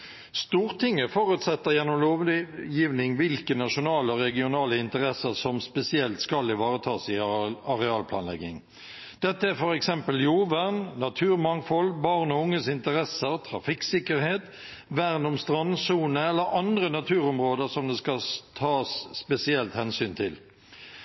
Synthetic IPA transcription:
st̪uːʁt̪ʰɪŋːəfoːʁʉːt̪sɛt̪ːəʁjɛnːɔmloːʋjiːʋnɪŋʋɪlkənɑʂʊnɑːləɔɾɛɡɪʊnɑːləɪnt̪əʁɛsəsɔmspɛsɪɛlt̪skɑlːɪʋɑːʁət̪ʰɑːsɪɑʁɛɑːlpʰlɑ̰ːnlɛ̰ɡɪŋ | d̪̥ɛt̪ːəæfɔɾɛksɛmpəljuːʋæʁnːɑt̪ʰʉːʁmɑŋfɔlbɑʁnɔʊŋːəsɪnt̪əɾɛsəɾt̪ʰɾɑfɪksɪkəɾheːt̪ | ʋæʁnʊmst̪ʁɑnːsuːnəɛlːəɾɑnd̪ɾənɑt̪ʰʉːɾʊmɾoːd̪əɾsɔmd̪ɛskɑt̪ʰɑːsːpɛsɪɛlt̪hɛnsyːnt̪ʰɪl

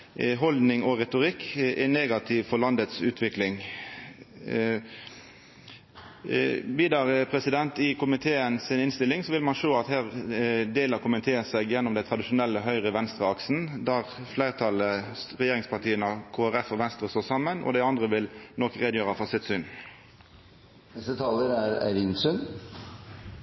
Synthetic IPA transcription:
ɦɔld̪nɪŋɔʁɛt̪ʊʁɪkːʔɛneːɡɑt̪ʰɪʋfɔʁlɑnd̪ət̪sʉːt̪ʰʋɪklɪŋ | ʋiːd̪ɑʁpʰʁɛsɪd̪ɛnt̪ɪkʊmɪt̪ʰeːənsɪnɪnst̪ɪlːɪŋsɔʋɪlmɑnʃoːɑt̪hæːʁd̪eːləʁkʰʊmənt̪ʰeːəsɛɡjɛnːʊmd̪æɪt̪ʰʁɑd̪ɪʃʊnɛlːəəɦœʏʁəʋɛnst̪ʁəɑksn̩d̪æʁflæɪʁt̪ʰɑləʁɛjeːʁɪŋspʰɑʁt̪iːənɑkʰoːæʁɛfɔʋɛnst̪ɾəst̪oːsɑmːənʔɔ̰d̪æɪɑnd̪ʁəʋɪlnɔkʁeːd̪jøːʁəfɔʁsɪt̪sʏn | nɛst̪ət̪ʰɑːləɾæɾæ̰ʋɪnsʉn

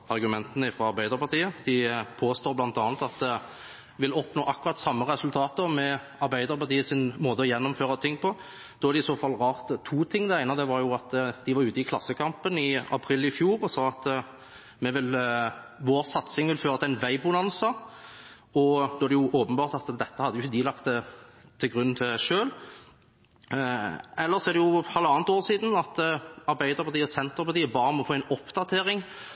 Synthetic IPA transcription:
ɑʁɡʉmɛnt̪ənəɪfɾɑɑɾbæɪd̪əɾpɑʁt̪iːəd̪̥ɪpʰoːst̪oːblɑnt̪ɑːnət̪ɑt̪̚d̪ | ʋɪlɔpnoːʔɑkːʉʁɑt̪sɑmːəʁɛsʉlt̪ʰɑːt̪əmɛ | ɑɾbæɪd̪əɾpɑʁt̪ʰiːəsɪnmoːd̪əɔjɛnːɔmføːʁɑt̪ʰɪŋːpʰɔ | d̪̥ɔːæɾd̪ɪsoːfɑlːʁɑːʁt̪t̪ʰːuːt̪ʰɪŋːd̪ɛæɪnɑd̪ɛʋɑɾjʊɑt̪d̪ɪʋɑɾʉːt̪əɪkʰlɑsːəkʰɑmpənɪɑ̰pʰɾiːlɪfjuːɾɔsɑːɑt̪ | mɛʋɪl | ʋoːɾsɑt̪sɪŋʋɪlføːʁɑt̪æɪnʋæɪbʊnɑnsə | ɔd̪oːɛd̪ɛjʊʔoːpənbɑːʁt̪ɑt̪d̪ɛt̪ːəhɑd̪ːəjʊçəd̪ɪlɑkt̪ət̪ʰːɪlɡʁʉn̩t̪ʰɪʂøːl | ɛlːəʁsɔɛʁd̪ɛjʊhɑləɑːnt̪oːʁsiːd̪n̩ɑt̪ɑɾbæɪd̪əɾpʰɑt̪ʰiːɔsɛnt̪əpɑt̪iːəbɑːɾəmɔfoːɛɪnɔpd̪ɑt̪ʰeːɾɪŋ

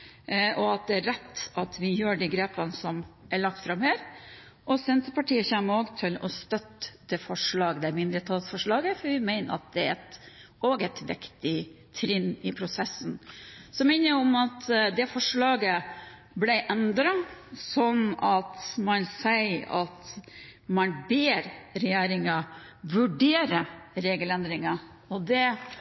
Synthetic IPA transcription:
ʔɔɑt̪̚d̪ɛæɾɛt̪ːɑt̪ʰʋɪjøːɖiːɡɾeːpənəsɔmʔæɭɑk̚t̪fɾɑmhæːɾ | ʔɔsɛnt̪əpɑʈiːəçæmːəɾoːɡt̪ʰɪlɔst̪œt̪ːd̪̥ɛfɔʂɭɑːɡd̪ɛmɪnd̪ɾət̪ʰɑːt̪sfɔʂɭɑːɡəfɔɾʋɪmæɪnə̰ɾɑ̰t̪̚d̪ɛɛt̪ | oːɡɛt̪ʰʋɪ̰kt̪ɪ | t̪ʰɾɪnːɪpʰɾʊsɛsnsɔmɛɪnəɔmɑt̪d̪ɛfɔʂɭɑːɡə | blæɪʔɛnd̪ɾɑsɔnɑt̪mɑnsæɪɑ̰t̪ | mɑnbeːɾɾɛjeːɾɪŋɑ | ʋʉɖeːɾəɾeːɡəlɛnd̪ɾɪŋɑ | ɔd̪ɛ

